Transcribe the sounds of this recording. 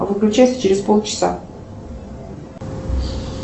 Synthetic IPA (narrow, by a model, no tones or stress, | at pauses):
vɨklʲʉt͡ɕasʲt͡ɕɪɾʲɪspolˠt͡ɕɪ̥sa̰